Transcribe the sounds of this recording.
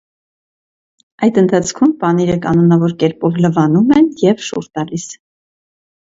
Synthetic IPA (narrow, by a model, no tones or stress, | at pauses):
ɑjd̪ənt̪ʰɑt͡sʰkʰumpɑniɾəkɑnɔnɑvɔɾkɛɾpɔvləvɑnumɛnjɛvʃṵɾt̪ɑlis